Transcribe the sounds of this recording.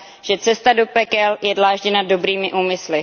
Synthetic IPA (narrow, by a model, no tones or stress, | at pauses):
ʒ̥ɛt͡sɛst̪ado̞pɛkɛljɛdlaːʒɟɛnado̞bɾiːmɪʔuːmɪslɪ